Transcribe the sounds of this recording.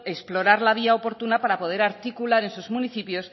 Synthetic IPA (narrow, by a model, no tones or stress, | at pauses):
esplo̞ɾaɾlaβ̞iaopo̞ɾt̪unapaɾapo̞ð̞e̞ɾaɾt̪ikulaɾe̞nsuzmuniθipjo̞s